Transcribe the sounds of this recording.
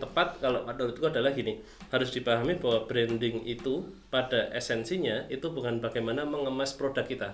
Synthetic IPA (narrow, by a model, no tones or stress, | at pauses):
t̪əpat̪̚kalopanəlit̪ɡadalahɡini | haɾʊsd̥ipaɦamibaɦwab̥ɾɛndɪŋit̪u | padaʔɛsɛnsiɲait̪ubukanbaɡajmanaməŋəmaspɾodakːit̪a